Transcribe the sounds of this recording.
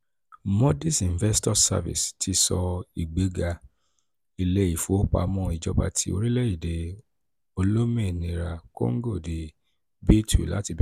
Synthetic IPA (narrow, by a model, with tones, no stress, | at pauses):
mɔ̃˦di˦˨sĩ˨n˨vɛ˦stɔ˦sa̰˧vḭ˨stʰi˧sɔ˧i˨ɡ͡be˨˦ɡa˧ | i˨le˦i˨fo˨˦k͡pa̰˧mɔ̃˧˦i˨d͡ʒɔ˧ba̰˧tʰḭ˧˦o̰˧ɾi˦le˦i˦˨de˨ | o˧lo˦mẽ˦˨nĩ˧˨ɾa˧ko̰˦ŋ̩˦ɡo˦˨di˨ | be˦tʰṵ˨la̰˦ti˧bi˦